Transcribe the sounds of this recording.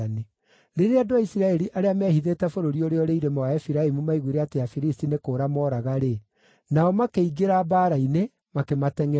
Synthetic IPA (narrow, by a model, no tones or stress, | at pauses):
ane | ɾeɾeadoaisiɾaɛɾiʔaɾeamɛhiðetɛfoɾoɾioɾeɔɾeiɾemawaɛfiɾaemumaiɣuɾeateafiɾistinekoːɾamɔɾaɣaɾe | naɔmakeiɡeɾabaːɾaine | makematɛŋɛ